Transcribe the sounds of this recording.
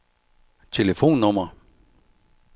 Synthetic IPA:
t͡sʰe̝ləfo̝̰ːnːɔmɐ

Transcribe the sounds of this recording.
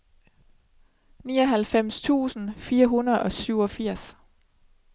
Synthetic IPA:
niːɒ̽ɦælfem̰st͡sʰṵːsn̩fiːɐɦunɐð̩ˠɒ̽syʊɒ̽fiɐ̰s

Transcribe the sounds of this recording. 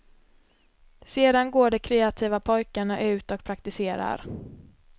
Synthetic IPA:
seːd̪anɡoːɖɛkʰɾeːat̪ʰiːvapʰɔjkaɳaʔʉ̟ːt̪ɔk̚pʰɾak̚t̪ɪseːɾa̰ɾ

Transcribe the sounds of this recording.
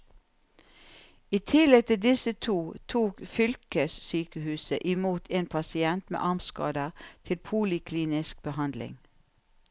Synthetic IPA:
iːt̪ʰɪlɛɡ̚t̪ʰɪd̪ɪsət̪ʰuːt̪ʰuːkfʏlkəssyːkəhʉːsəʔɪmuːt̪ʰeːnpʰɑsɪɛnt̪mḛːʔɑʁmskɑ̰ːd̪əʁt̪ʰɪlpʰuːlɪkʰliːnɪsk̚b̥əhɑnd̪lɪ̰ŋ

